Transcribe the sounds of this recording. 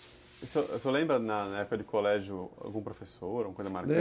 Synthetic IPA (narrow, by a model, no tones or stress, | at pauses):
iseʔewsolẽmbɾɐnɐnɐɛpʊkɐd͡ʒɪkʰolɛʒjʊa̰wɡũpɾofesoɾoũmɐkojzɐmaɾk